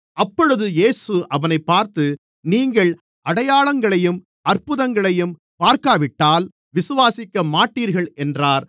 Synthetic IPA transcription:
ɐpːɔɻɯðɯjeːsɯʔɐʋɐnɐɪpːaːɾt̪ɯ | niːŋɡɐɭ | ʔɐɽɐjaːɭɐŋɡɐɭɐjɯm | ʔɐrpɯðɐŋɡɐɭɐjɯm | paːɾkaːʋɪʈːaːl | ʋɪsɯʋaːsɪkːɐmaːʈːiːɾɣɐɭʔɛndraːɾ

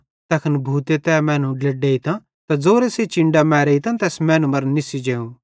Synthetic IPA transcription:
t̪ɐkʰənbʱuːt̪et̪ɛːmɛ̃ːnũɖlɐɖeːit̪ã | t̪ad͡zoːɾeset͡ʃɪ̃ɳɖamɛːɾeit̪ãt̪ɛːsmɛ̃ːnũmɐɾnɪsid͡ʒeːũ

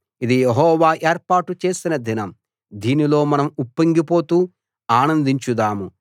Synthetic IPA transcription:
id̪ijeɦɔːʋaːʔe̞ːɾpaːʈut͡ʃe̞ːsinɐd̪inɐm | d̪iːnilo̞ːmɐnɐmupːɐŋɡipo̞ːt̪uː | aːnɐnd̪iɲt͡ʃud̪aːmu

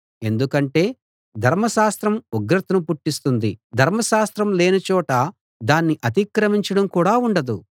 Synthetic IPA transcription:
e̞nd̪ukɐɳʈe̞ː | d̪ʱɐɾmɐʃaːst̪ɾɐmuɡɾɐt̪ɐnupuʈːist̪und̪id̪ʱɐɾmɐʃaːst̪ɾɐmleːnɐt͡ʃɔːʈɐ | d̪aːnːiʔɐt̪ikɾɐmiɲt͡ʃɐɽɐmkuːɽaːuɳɖɐd̪u

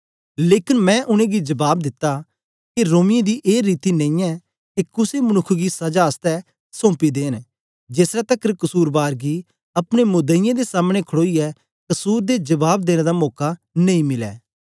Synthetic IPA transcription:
leːkɪnmɛ̃ʔʊñẽɡid͡ʒɐbaːb̚d̪ɪt̪ːa | kiɾoːmɪjẽd̪iʔeːɾiːt̪inẽĩjɛ | kikʊsemɐnʊkʰɡisɐd͡ʒaɐst̪ɛ | sõːpid̪eːn | d͡ʒeːsɾɛt̪ɐkːɾkɐsuːɾbaːɾɡi | ɐpɽ̃emʊd̪əɪjãd̪esaːmɽ̃ekʰɽoːiɛ | kɐsuːɾd̪ed͡ʒɐbaːb̚d̪eːɽ̃ẽd̪amɔːka | nɐ̃ĩmɪlɛ̰ː

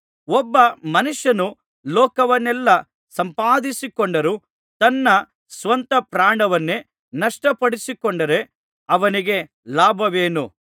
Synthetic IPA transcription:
ɔbːɐmɐnuʂjɐnu | lɔːkɐʋɐnːɛlːɐ | sɐmpaːd̪isikoɳɖɐɾu | t̪ɐnːɐ | sʋɐnt̪ɐpɾaːɳɖɐʋɐnːe | nɐʂʈɐpɐɽisikoɳɖɐɾe̞ | ɐʋɐniɡe̞ | laːbʱɐʋeːnu

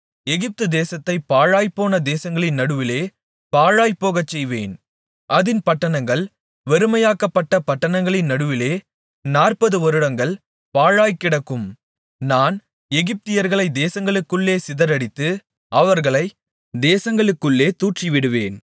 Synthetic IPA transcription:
ɛɣɪp̚t̪ɯd̪eːsɐt̪ːɐɪpaːɻaːjpːoːnɐd̪eːsɐŋɡɐɭɪnːɐɽɯʋɪleː | paːɻaːjpːoːɣɐt͡ʃːɛjʋeːn | ʔɐðɪnpɐʈːɐnɐŋɡɐɭ | ʋɛɾɯmɐjaːkɐpːɐʈːɐpɐʈːɐnɐŋɡɐɭɪnːɐɽɯʋɪleː | naːrpɐðɯɔɾɯɽɐŋɡɐɭ | paːɻaːjkːɪɽɐkːɯm | naːn | ɛɣɪp̚t̪ɪjɐɾɣɐɭɐɪd̪eːsɐŋɡɐɭɯkːɯɭːeːsɪðɐɾɐɽɪt̪ːɯ | ʔɐʋɐɾɣɐɭɐɪ | d̪eːsɐŋɡɐɭɯkːɯɭːeːt̪uːʈriʋɪɽɯʋeːn

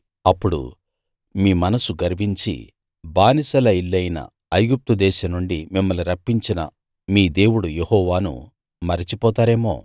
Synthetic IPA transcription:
ɐpːuɽṵ | miːmɐnɐsuɡɐɾʋiɲt͡ʃḭ | baːnisɐlɐilːɐjnɐ̰ | ɐjɡup̚t̪ud̪ɛːʃɐnuɳɖimimːɐluɾɐpːiɲt͡ʃinɐ̰ | miːd̪e̞ːwuɽujehɔːʋaːnṵ | mɐɾit͡ʃipɔːt̪aːɾeːmo̞̰ː

